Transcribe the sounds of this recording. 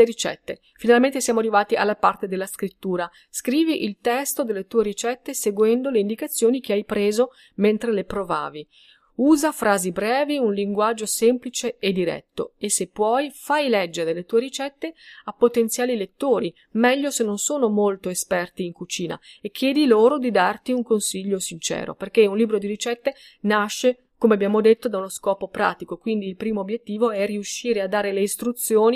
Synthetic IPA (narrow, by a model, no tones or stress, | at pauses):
eɾit͡ʃɛ̰t̪ːe | finalment̪esjaːmoarːivaːt̪ia̰lːapart̪ed̪elːaskɾit̪ːuːɾa | skɾiːviʔilt̪ɛst̪od̪elːet̪uːeɾit͡ʃɛt̪ːeseɡwɛnd̪oleind̪ikat̪sːjoːnik̟eajpɾeːzo | ment̪ɾelepɾova̰ːvi | uːzafɾaːzibɾɛːviunliŋɡwad͡ʒːosemplit͡ʃeed̪ːiɾɛ̰t̪ːo̰esepːwɔjfajlɛd͡ʒːeɾeelːet̪uːeɾit͡ʃɛt̪ːeapːot̪ent̪sjaːlilet̪ːoːɾi | mɛʎːosenːonsoːnomolt̪oespɛrt̪iːŋkut͡ʃiːna̰ekʰːjɛːd̪iloːɾod̪id̪art̪iuŋkonsiʎːosint͡ʃɛ̰ːɾo̰perkeunliːbɾod̪iɾit͡ʃɛt̪ːe | naʃːe | komeabːjaːmod̪et̪ːod̪aunoskɔːpopɾa̰ːt̪ikokwind̪iːlpɾiːmoːbːjet̪ːiːvoɛriuʃːiːɾead̪ːaːɾeleist̪ɾut̪sːjoːni